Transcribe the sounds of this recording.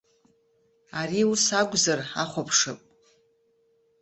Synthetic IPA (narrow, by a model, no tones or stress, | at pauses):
aɾiusaɡʷzaraχʷapʰʂɨpʼ